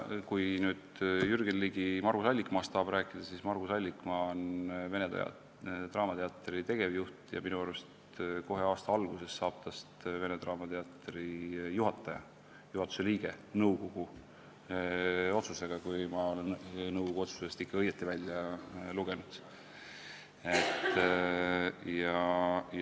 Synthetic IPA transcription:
kujnyːd̪̥jyrɡenliːɡimɑrɡ̥usɑlʲːikmɑːst̪sɑːb̥ɾæːkːˑid̪̥ɑsismɑrɡ̥usɑlʲːikmɑonve̞nḛ | t̪rɑːmɑt̪e̞ɑt̪ːˑeɾit̪e̞ɡ̥e̞vjuht̪jɑ̰minuɑrest̪ | ko̞ɦe̞ɑːst̪ɑɑlɡ̥use̞sːɑːb̥̚t̪ɑst̪ve̞net̪rɑːmɑt̪eɑt̪ɾijuɦɑt̪ːˑɑjɑ̰ | juhɑt̪ːˑu̥se̞liːɡ̥e̞nɤwko̞ɡ̥u | o̞t̪suse̞ɡ̥ɑkujmɑo̞lennɤwɡ̥oɡuo̞t̪su̥sest̪ikːɑɤjːet̪ˑːivælʲːjɑluɡ̥e̞nud̪̥ | et̪ː | jɑj

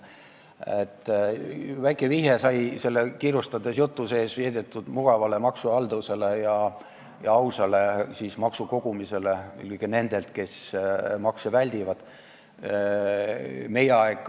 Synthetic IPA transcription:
ḛt̪ːˑ | væjkːˑeviɦesɑjse̞lːekiːrust̪ɑd̪̥esjut̪ːˑuse̞ːsviːd̪et̪ːˑud̪̥muɡ̥ɑvɑle̞mɑksuɑld̪use̞lejɑ | jɑɑwsɑle̞sismɑksuko̞ɡ̥umise̞ley̰kːene̞nd̪̥e̞lt̪̚ke̞smɑksevælʲd̪̥ʲivɑd̪̥ | me̞jeɑekˑː

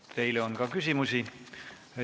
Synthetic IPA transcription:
t̪e̞jleonkɑkysʲimusi

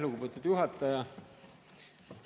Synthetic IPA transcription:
luɡupet̪ud̪̥juɦɑt̪ːˑɑjɑ

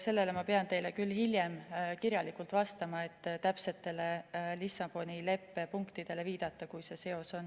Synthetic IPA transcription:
se̞lːe̞le̞mɑpe̞ɑnt̪e̞jle̞kylːhilje̞mkiɾjɑlikˑult̪vɑst̪ɑmɑe̞t̪ːˑt̪æpse̞t̪ːe̞le̞lisɑb̥o̞nile̞pːˑe̞puŋkt̪id̪̥e̞le̞viːd̪̥ɑt̪ːˑɑkujse̞se̞o̞so̞n

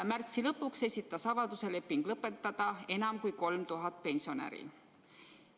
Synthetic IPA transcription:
mært̪silɤpːukse̞sʲit̪ːˑɑsɑvɑld̪use̞le̞pːiŋɡ̥lɤpːˑe̞t̪ːˑɑd̪̥ɑe̞nɑmkujko̞lmt̪uɦɑt̪̚ˑpe̞nsio̞næ̰ɾḭ

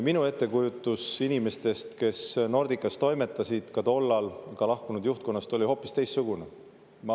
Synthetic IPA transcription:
minue̞t̪ːekujut̪ːˑusinime̞st̪e̞st̪ke̞sno̞rd̪̥ikːˑɑst̪o̞jme̞t̪ːˑɑsʲid̪̥kɑt̪o̞lːɑlkɑlɑhkunud̪̥juht̪̚ko̞nːɑst̪o̞lʲiho̞ːpːˑist̪e̞jst̪suɡ̥une | m

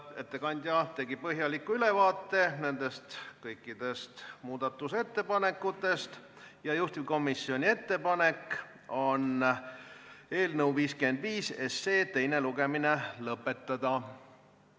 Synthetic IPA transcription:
e̞t̪ːe̞kɑnʲd̪ʲjɑt̪e̞ɡipɤɦjɑlikːuyle̞vɑːt̪ːˑe̞ne̞nd̪e̞st̪kɤjkːˑid̪̥e̞st̪muːd̪̥ɑt̪ːˑuse̞t̪ːe̞pɑne̞kːˑut̪ːˑe̞st̪ | jɑjust̪ivko̞misːjo̞nʲie̞t̪ːe̞pɑnek | o̞n | e̞ːlnəwviːskymend̪̥viːse̞sːeːt̪e̞jneluɡe̞mine̞lɤpːˑe̞t̪ːɑd̪̥ɑ

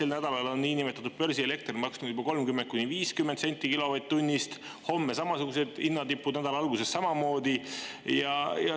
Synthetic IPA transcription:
selnæd̪̥ɑlɑlo̞nːiːnimet̪ːˑɑt̪ːud̪̥̚pørsiele̞k̚t̪rimɑksnuybɑko̞lmkymːent̪̚kuniviːskymːed̪se̞nʲt̪ʲːˑikilo̞vɑjt̪̚t̪ːunʲːist̪ | ho̞mːesɑmɑsuɡ̥use̞d̪inːɑt̪ipːud̪næd̪̥ɑlɑlɡ̥use̞sːɑmɑmo̞ːd̪̥ijɑjɑ

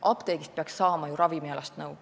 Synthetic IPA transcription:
ʔɑpt̪eːɡist̪̚peɑksːɑːmɑjuɾɑvimiɑlɑst̪nɤw

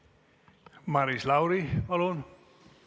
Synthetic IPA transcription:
maɾislawɾialon

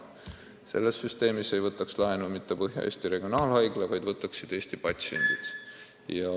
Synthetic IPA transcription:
se̞̰lːe̞sːyst̪e̞ːmise̞jvɤt̪ːˑɑkslɑenumit̪ːe̞pɤɦjɑ̰ʔeːst̪iɾe̞ɡ̥io̞nɑːlhɑjɡ̥levɑjd̪vɤt̪ːˑɑksːid̪e̞ːst̪ipɑt̪ʲsie̞̰nd̪̥id̪̥ | jɑ

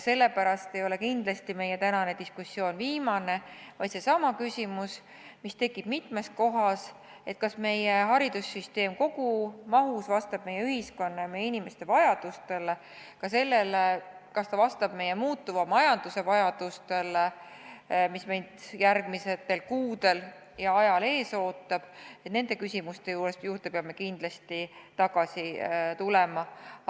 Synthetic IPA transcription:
se̞lːe̞pæɾɑst̪e̞jo̞le̞kind̪̥lɑst̪ime̞jet̪ænɑned̪iskusːjo̞ːnviːmɑne̞vɑj̪se̞sɑmɑkysʲimus | mist̪e̞kːˑib̥mit̪ˑme̞sko̞ɦɑs | et̪̚kɑsme̞jeɦɑɾid̪̥usːyst̪e̞ːmko̞ɡumɑɦusvɑst̪ɑb̥̚me̞jːeyhisko̞nːɑjmejːeinime̞st̪e̞vɑjɑd̪̥ust̪e̞le | kɑse̞lːe̞lekɑst̪ɑvɑst̪ɑb̥me̞jemuːt̪ːuvɑmɑjɑnd̪̥use̞vɑjɑd̪̥ust̪e̞le | mismejnd̪̥jærɡ̥miset̪ːe̞lkuːd̪̥e̞l | jɑɑjɑle̞ːso̞ːt̪ːˑɑb̥e̞t̪ne̞nd̪e̞kysʲimust̪e̞juːɾe̞st̪juːrt̪e̞peɑmːe̞kind̪lɑst̪it̪ɑɡ̥ɑsit̪ulemɑ

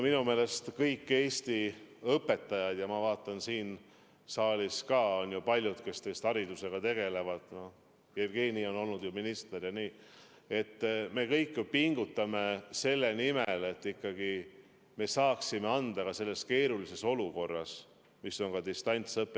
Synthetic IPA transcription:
minume̞ːle̞st̪kɤjkːe̞ːsʲt̪iɤpːˑe̞t̪ːˑɑjɑd̪̥jɑmɑvɑːt̪ːˑɑnsiːn | sɑːlʲiskɑːo̞njupɑlʲjud̪̥ke̞st̪eːst̪ɑɾid̪use̞ɡ̥ɑt̪e̞ɡ̥e̞le̞vɑd̪̥no | jerɡ̥eːnio̞no̞lnud̪̥juminist̪erjɑniː | e̞t̪ːme̞kɤjkːˑjupiŋɡ̥ut̪ːˑɑme̞se̞lːe̞nimele̞t̪ːikːɑɡ̥i | me̞sɑːksime̞ɑnd̪ɑkɑse̞lːe̞ske̞ːɾulise̞so̞luko̞rːɑ̰s | miso̞ŋkɑd̪ist̪ɑnʲt̪sɤpːˑe

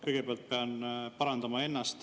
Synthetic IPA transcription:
kɤjɡ̥e̞peɑlt̪̚pe̞ɑnpɑɾɑnd̪ɑmɑe̞nːɑst̪

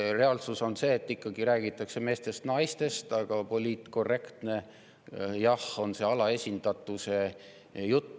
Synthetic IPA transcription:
re̞ɑlsuso̞nse̞ːt̪ːˑikːɑɡiɾæːɡ̥it̪ːˑɑkse̞me̞ːst̪e̞st̪nɑjst̪e̞st̪ɑɡ̥ɑpo̞lʲiːt̪ko̞rːe̞kt̪ne̞ | jɑho̞nse̞ɑlɑe̞sʲind̪̥ɑt̪ːˑuse̞ | jut̪ˑː

